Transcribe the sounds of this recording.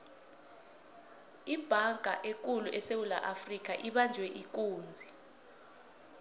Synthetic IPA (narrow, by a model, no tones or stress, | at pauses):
ib̥ʱaŋʱa̰ʔek̬ʼuluʔɛsewulaʔafrik̬aʔiɓand͡ʒʱwɛʔik̬uːnd͡zʱi